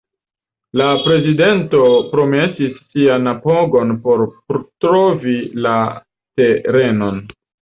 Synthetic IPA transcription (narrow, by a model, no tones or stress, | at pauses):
lapɾe̞zide̞nto̞pɾo̞me̞sisːianapoɡo̞npo̞ɾpɾtɾovila | teɾe̞no̞n